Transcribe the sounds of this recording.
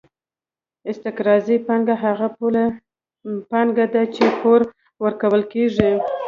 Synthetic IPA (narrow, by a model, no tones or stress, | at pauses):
ɪst̪ɪqɾɑzipɑŋɡaɦaɣapula | pɑŋɡad̪at͡ʃekoɾ | wəɾkawəlkeʐi